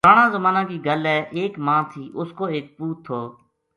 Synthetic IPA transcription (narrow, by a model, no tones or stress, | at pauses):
aːɳãːzəmaːnãːkiːɡəlɛːʔeːkmãːt̪ʰiːʔʊskoːeːk̚puːt̪ʰːoː